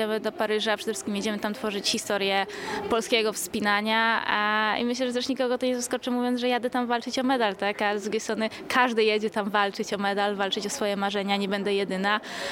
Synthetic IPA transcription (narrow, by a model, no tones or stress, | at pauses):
ɛmɘd̪ɔpaɾɘʐapʂɛ̥d̪ɛfʂɘ̥skʲimjɛd͡ʑɛmɘt̪amt̪fɔʐɘt͡ɕxʲist̪ɔɾjɛpɔlskʲɛɡɔfspʲinaɲa | ḭmɘɕlɛʐɛt̪ɛʂɲikɔɡɔt̪ɔɲɛzɔskɔt͡ʂɘmuvjɔnʐɛjad̪ɛt̪amvalt͡ʂɘt͡ɕɔmɛd̪alt̪akazd̪ɾuɡʲejst̪ɾɔnɘkʰaʐd̪ɘjɛd͡ʑɛt̪amvalt͡ʂɘt͡ɕɔmɛd̪alvalt͡ʂɘt͡ɕɔsfɔjɛmaʐɛɲaɲɛbɛnd̪ɛjɛd̪ɘna